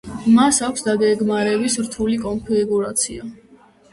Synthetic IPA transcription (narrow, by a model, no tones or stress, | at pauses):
masakʷʰsd̪aɡɛɡmaɾɛbisɾt̪ʰulikʼɔnpʰɛɡuɾat̪sʰia